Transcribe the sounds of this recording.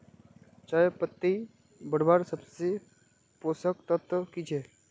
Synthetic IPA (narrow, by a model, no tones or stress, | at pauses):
t͡ʃaːepət̪ːi | bəɽbaɾsəbse | poːsəkt̪ət̪əkit͡ʃʰeː